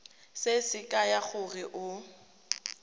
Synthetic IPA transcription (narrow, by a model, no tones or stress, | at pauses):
sɪsɪkʼajaɣʊrɪʔʊ